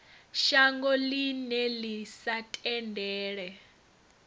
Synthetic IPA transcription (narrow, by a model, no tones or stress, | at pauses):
ʃaŋɡɔlinɛlisatʼɛndʱɛːɺɛ